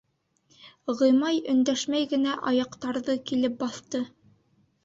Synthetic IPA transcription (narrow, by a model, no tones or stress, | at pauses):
ʁɤ̆jmɑjɵ̆nd̪æʃmæjɡɘ̆næʔɑjɑqt̪ɑɾðɤkilɘp̚bɑθt̪ɤ